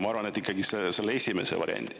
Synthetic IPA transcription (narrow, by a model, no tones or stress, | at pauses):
mɑːɾʋɑnet̪ːikːɑɡiseselːejsʲimesḛʋɑ̰ɾ̰ʲɐ̰nʲt̪ʲi